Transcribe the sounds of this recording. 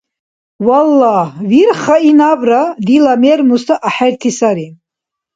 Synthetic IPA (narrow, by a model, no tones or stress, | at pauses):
walːɑhviɾχainabɾad̪ilamɛɾmust̪ʰaʔaħaɾt̪ʰisaɾi